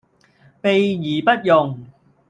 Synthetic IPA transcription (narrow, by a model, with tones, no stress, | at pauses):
pe˨jjiː˨˩pɐ˥t̚jʊ˨ŋ